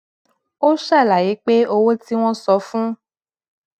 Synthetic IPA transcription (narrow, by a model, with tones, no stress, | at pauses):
o˦ʃa˦˨la˨ji˨˦k͡pe˦o˧wo˦ti˦w̃ɔ̃˦sɔ˨˦fũ˦